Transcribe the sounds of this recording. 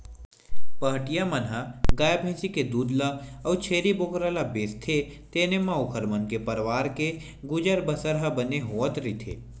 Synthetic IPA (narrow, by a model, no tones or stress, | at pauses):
pəɦʈijamɐnɦaɡaːjabʱẽːsiked̪uːd̪laɔːt͡ʃʰeːɾiboːkɾalabeːst̪ʰe | t̪eːnemãʊkʰəɾmənkepɐɾʋaːɾke | ɡʊd͡ʒəɾbəsəɾɦɐbɐneɦoːət̪ɾit̪ʰḛː